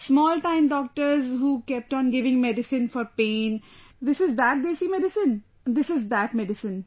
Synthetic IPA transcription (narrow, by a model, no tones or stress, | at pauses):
smɔːlʈãɪ̃mɖɔːk̚ʈəɾzɦuːkɛp̚ʈɔ̃ːnɡɪʋɪ̃ŋmɛɖɪsɪ̃nfɔːɾpẽːnd̪ɪsɪzd̪æʈ̚d̪eːsiːmɛɖɪsɪ̃n | d̪ɪsɪzd̪æʈmɛɖɪsə̃n